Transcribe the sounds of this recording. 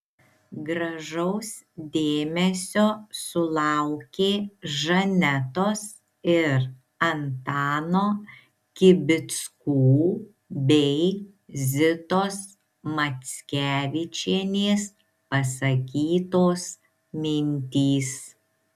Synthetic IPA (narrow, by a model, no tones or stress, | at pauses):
ɡɾɐʒɐʊs | d̪ʲeːmʲɛsʲoːsʊlˠɑʊkʲeːʒɐnʲɛt̪oːs | ɪɾ | ɐnt̪ɑːnoː | kʲɪbʲɪt̪skuː | bʲɛɪ | zʲɪt̪oːs | mɐt̪sʲkʲæːʋʲɪt͡ʃʲeːnʲeːs | pɐsɐkʲiːt̪oːs | mʲɪnʲt̪ʲiːs